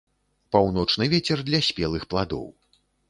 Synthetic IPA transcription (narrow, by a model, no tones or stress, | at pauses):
pawnɔt͡ʂnɨvʲet͡sʲɛrd̪lʲɐsʲpʲɛlˠɨxplˠad̪ɔ̰w